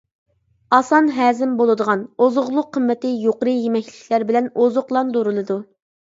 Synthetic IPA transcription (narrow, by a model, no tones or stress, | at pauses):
ɑsɑnɦɛːzɪmbolˠɨd̪əʁɑnozʊʁlˠʊqʰːəmːɛt̪ɪjoqəɾɨjemɛkʲlɪkʲʰlæɾbɪlɛnozʊqlˠɑnd̪oɾɨlˠɨd̪u